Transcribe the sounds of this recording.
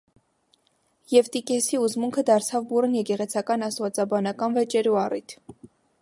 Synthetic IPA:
jɛvt̪ikɛsiuzmuŋkʰəd̪ɑɾt͡sʰɑvburənjɛkɛʁɛt͡sʰɑkɑnɑst̪vɑt͡sɑbɑnɑkɑnvɛt͡ʃɛɾuɑrit̪ʰ

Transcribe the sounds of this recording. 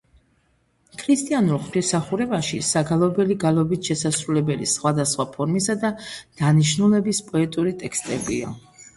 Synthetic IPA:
kʰɾist̪ʼianuɾχt̪ʰisaχuɾɛbaʃisaɡalˠɔbɛliɡalˠɔbit̪ʃɛsasɾulɛbɛlḭsχwad̪asχwapʰɔɾmisad̪ad̪̥aniʃnulɛbispʼɔɛt̪ʼuɾit̪ʼɛkst̪ʼɛbḭa̰

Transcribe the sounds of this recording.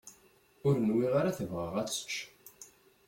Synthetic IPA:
ʊɾənwiʁaɾaθəvʁəʁæt͡ssə̥t͡ʃː

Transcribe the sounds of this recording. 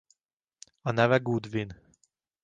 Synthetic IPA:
ɒnɛvɛɡud̪vin

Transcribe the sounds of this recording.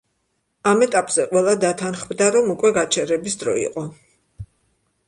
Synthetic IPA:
amɛt̪ʼapʼz̥ɛqʼwɛlˠad̪at̪ʰanχmd̪aɾɔmukʼwɛɡat͡ʃʰɛɾɛbisd̪ɾɔ̰ḭqʼɔ

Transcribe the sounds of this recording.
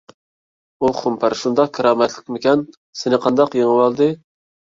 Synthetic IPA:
uχʰʊmpʰæɾʃund̪ɑqkʰəɾɑːmɛt̪ʰlɪ̥kʲmɪkʲɛn | sɪnɪqʰɑnd̪ɑqjeŋɨwɑlˠd̪ɨ

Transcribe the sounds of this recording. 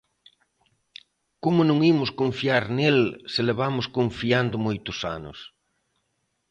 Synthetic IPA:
komʊnõŋimʊskoɱfiaɾnelseleβamʊskoɱfiand̪ʊmojt̪ʊsa̰nʊ̰s

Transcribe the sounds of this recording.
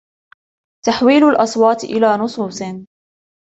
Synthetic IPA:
t̪aħwiːlʊlʔɑsˤwɑːt̪ʔɪlaːnʊsˤuːsˤɨ

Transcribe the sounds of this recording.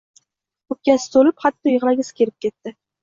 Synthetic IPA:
kʰɵp̚kʲasɪ̥t̪ʰolɪpχat̪ːɔjɨʁlˠaɡʲɪsɪ̥kʲʰeɾɪp̚kʲʰet̪ːɪ

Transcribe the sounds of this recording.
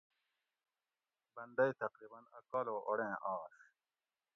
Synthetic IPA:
bɐnd̪ɐit̪ɐqɾiːbɐnɐkaːloːʔoɽẽːʔaːʂ

